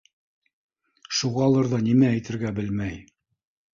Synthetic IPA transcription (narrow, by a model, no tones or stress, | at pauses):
ʃuʁɑlˠɤɾðɑnimæːjt̪ɘ̆ɾɡæbɘlmæj